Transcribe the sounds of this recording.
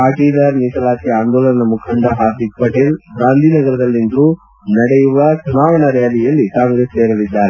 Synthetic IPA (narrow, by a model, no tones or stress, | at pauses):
paːʈiːd̪ɐɾniːsɐlaːt̪ijaːnd̪oːlɐnɐnɐmukʰɐɳɖɐɦaːɾd̪ik̚pɐʈeːlɡɾaːnd̪ʱinɐɡɐɾɐd̪ɐlːind̪u | nɐɽɛjuʋɐt͡ʃumaːʋɐɳɐɾɛjɐlijɐlːikaːŋɡɾeːseːɾɐʋid̪ːaːɾe